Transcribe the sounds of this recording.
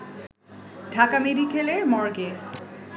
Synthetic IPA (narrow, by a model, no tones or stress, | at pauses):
d̥ʱakamedʱikʰeleɹmɔɹɡe